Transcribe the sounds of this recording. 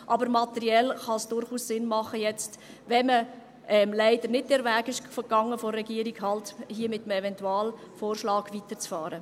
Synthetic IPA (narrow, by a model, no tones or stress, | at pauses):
ʔɑbəɾmɑt̪ɛɾiɛlχɑsd̥ʊɾχuːssɪnmɑχəjɛt͡st | ʋɛmə | ɛmlæɪd̥̪əɾnɪd̚d̥ɛɾʋæːɡɪʃfəɡ̥ɑŋːəfɔrːɛɡiəɾiɡ̥ɦɑlthiːəmɪtəmɛvɛntuɑːl | foːrʃlɑːɡ̥ʋitəɾt͡sfɑːɾə